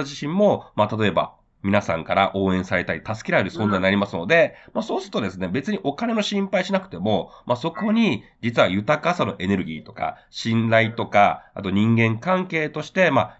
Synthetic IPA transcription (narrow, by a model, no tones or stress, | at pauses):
ʑiɕĩmːo̞mat̪at̪o̞e̞ba̰ | mʲinasã̰ŋkaɾaʔo̞ːẽ̞ɰ̃saɾe̞t̪aɾʲit̪asɨ̥kʲiɾaeɾɯ̟sõ̞nzaiɲ̟inaɾʲimasɨno̞d̪e̞maso̞ːsɨɾɯt̪o̞d̪e̞sɨne̞be̞t͡sɨɲ̟iʔo̞kane̞no̞ɕĩmpaiɕinakɯ̟̥t̪e̞mo̞maso̞ko̞ɲ̟id͡ʑit͡sɨβajɯ̟t̪akasano̞ʔene̞ɾɯ̟ɡʲḭːt̪o̞̥ka̰ | ɕĩnd̪ait̪o̞ka̰a̰t̪o̞ɲ̟ĩŋɡẽ̞ŋkãŋke̞ːt̪oɕi̥t̪e̞ma